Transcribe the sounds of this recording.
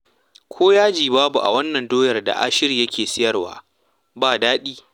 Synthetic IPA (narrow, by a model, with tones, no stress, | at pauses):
kʷʰoː˦jaː˦d͡ʒiː˨baː˦bu˨ʔa̰˨wɐ˦nːɐ˨ndoː˦jɐ˨rda̰˨ʔa̰ː˦ʃɪ˦ɾiː˨jɐ˦kʲʰeː˨sɪ˦jɐ˦rwa̰ː˦ | baː˦˨daː˦ɗiː˦